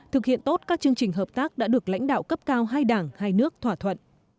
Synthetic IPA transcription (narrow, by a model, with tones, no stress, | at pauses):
t̪ʰɨ˨˩k̚hḭ˧˨ənt̪o˦˥t̚kaː˦˥k̚t͡ɕɨ˧əŋt͡ɕï˨˩ŋ̟ɦəː˨˩p̚t̪aː˦˥k̚ɗa̰ː˧˥ɗɨ˨˩ək̚la̰˧˥jŋ̟ɗa̰ː˧˨wkə˦˥p̚kaː˧wɦaː˧jɗaː˧˩ŋhaː˧jnɨ˦˥ək̚t̪ʰwaː˧˩t̪ʰwə̰˧˨nʔ